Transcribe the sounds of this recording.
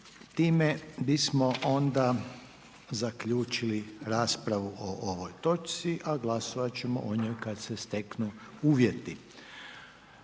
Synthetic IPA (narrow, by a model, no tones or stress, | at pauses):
t̪iːmebismo̞ʔo̞nd̪a | zakʎuːt͡ʃiliɾaːspɾaʋuoʔoʋo̞jt̪o̞t͡ʃsiʔaɡlasoʋat͡ɕe̞mo̰ʔoɲojkad̪sest̪e̞knuuːʋje̞t̪i